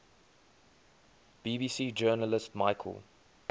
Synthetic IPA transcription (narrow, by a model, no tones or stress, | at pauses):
b̥iːbiːsiːd͡ʒɜːnələstmaɪkʰə̰lˠ